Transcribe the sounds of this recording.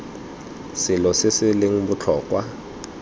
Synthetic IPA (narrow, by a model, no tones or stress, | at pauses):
sɪlɔsɪsɪlɪŋ̩bʊt͡ɬʰɔːkʼwa